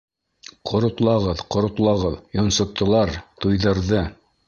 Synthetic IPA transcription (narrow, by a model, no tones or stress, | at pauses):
qʰŏɾŏt̪lˠɑʁɤðqŏɾŏt̪lˠɑʁɤðjŏnsŏp̚t̪ŏlˠɑɾt̪ujðɤ̆ɾðɤ